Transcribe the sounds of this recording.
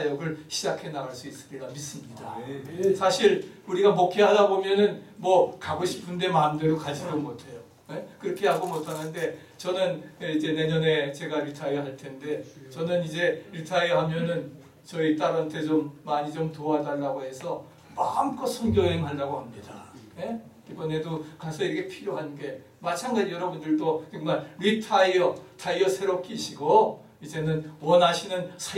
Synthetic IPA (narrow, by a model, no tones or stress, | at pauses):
ajʌɡɯɭɕʰid͡ʑakʰe̞naɣaɭs͈uis͈ɯ̥t͈iɡamis͈ɯmɲidasʰaɕʰiɾuɾiɡamokʰeɦadabomjʌnɯnmwʌkaɡoɕʰi̥pʰɯnde̞maɯmde̞dokad͡ʑidomotʰe̞jo | nekɯɾʌkʰeɦaɡomotʰanɯnde̞ | t͡ɕʌnɯnid͡ʑe̞ne̞ɲʌne̞t͡ɕe̞ɡaɾitʰaiɦaɭtʰe̞nde̞t͡ɕʌnɯnid͡ʑe̞itʰaiɦamjʌnɯn | t͡ɕʌit͈aɾntʰe̞t͡ɕomːaɲid͡ʑomtoadanːaɡoɦe̞sʰʌ | mamk͈ʌsʰonɡjʌɦeŋɦandaɡohamɲidaje̞ | ibʌne̞dokasʰʌiɾʌkʰe̞pʰiɾjoɦanɡe̞ | mat͡ɕʰaŋɡad͡ʑijʌɾʌbundɯɭdot͡ɕɯŋmaɭɾitʰaiʌtʰaiʌsʰe̞ɾʌp̚k͈ʰiɕʰiɡo | id͡ʑe̞nɯnwʌnɦaɕʰinɯnsʰa